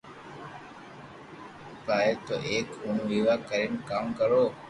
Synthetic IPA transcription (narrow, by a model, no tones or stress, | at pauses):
paːeːt̪oːʔeːkʊnʋiːʋaːkəɾɪnkaːmkəɾoː